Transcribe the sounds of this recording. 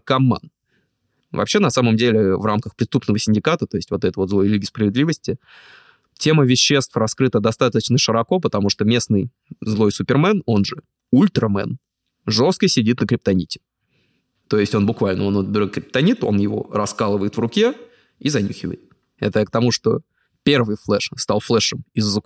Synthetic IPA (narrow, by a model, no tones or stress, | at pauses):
kɐmːa̰n | vɐ̰pɕːe̞nɐsaməmdʲelʲɪvramkəxpɾʲɪst̪upnəvəsʲɪnʲdʲɪkat̪ət̪o̞ɪsʲtʲvo̞t̪ɛt̪əvo̞t̪zlˠo̞jlʲiɡʲɪspɾəvʲɪd̪lʲivəsʲtʲɪ | tʲe̞məvʲɪɕːe̞st̪frɐskɾɨt̪əd̪ɐst̪at̪ət͡ɕnəʂɨɾɐko̞pət̪ɐmuʂt̪omʲe̞snɨj | zlˠo̞jsʊpʲɪrmɛno̞nʐɨ | ulʲt̪ɾəmɛ̰n | ʐo̞st̪̚kəsʲɪdʲit̪nəkɾʲɪp̚t̪ɐnʲitʲɪ̥ | t̪o̞jɪsʲtʲo̞nbʊkvalʲnəonob̪ɾkɾʲɪp̚t̪ɐnʲit̪o̞̰njɪvo̞̰rɐskalˠɨvəjɪt̪vrʊkʲe | izɐnʲixʲɪvə̰jɪt̪̚ | ɛ̰t̪ək̚t̪ɐmuʂt̪o̞̰ | pʲe̞rvɨjflˠɛʂst̪alˠflˠɛʂɨmɪzːək